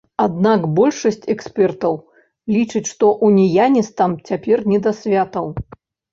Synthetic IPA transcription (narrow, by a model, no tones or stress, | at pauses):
ad̪nakbɔlʲʂɐsʲt͡sʲɛksʲpʲɛrt̪ɐw | lʲit͡ʂɨt͡sʲʂt̪ɔʔunʲijanʲɛst̪amt͡sʲapʲɛrnʲɛd̪asʲvʲat̪ɐw